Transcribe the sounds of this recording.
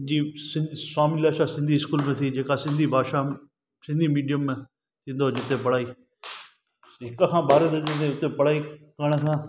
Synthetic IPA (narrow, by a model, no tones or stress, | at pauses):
d͡ʑiːsɪ̃nd̪saːmɪlaːʃasɪ̃nd̪ʱiɪskuːlmẽt̪ʰid͡ʑeːkasɪ̃nd̪ʱibʱaːʃa | sɪ̃nd̪ʱimiːɖijəmːẽ | t̪ʰĩːn̆d̪od͡ʑɪt̪epɐɽ̤aːiː | ɦɪkəkʰãːɓaːɾet̪eɪt̪eʊt̪epɐɽ̤aːikɐɽ̃ət̪ʰãː